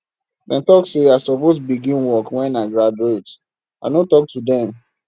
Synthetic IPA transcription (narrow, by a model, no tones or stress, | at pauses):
dɛ̃ntɔkseaɪsɔpos̬biɡĩnwɔkwɛ̃naɡɹaduet | a̰ɪnotɔk̚tudɛ̃m